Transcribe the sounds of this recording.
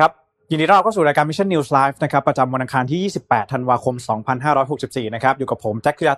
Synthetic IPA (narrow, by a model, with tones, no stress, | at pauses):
kʰa˦˥p̚ | ji˨˩ŋdiː˧ɾʰa˥˩˨kːsu˨˩ɾaː˧kaː˧nmi˦˥t͡ɕʰa˥˩nːiː˧wslaː˦˥jfna˦kʰa˦˥pːɾa˧t͡ɕa˧mwo˧nʔa˧ŋkʰaː˧nt̪ʰiː˥˩jiː˥˩si˨˩pːɛː˨˩t̪ʰːa˧nwaː˧kʰo˧msɔː˩˦ŋpʰa˧nɦaː˥˩ɾɔː˦˥jɦo˨˩k̚si˨˩p̚siː˨˩na˦˥kʰa˦˥p̚juː˨˩ka˨˩pʰːo˩˦mt͡ɕɛ˦˥kʰːja˧˥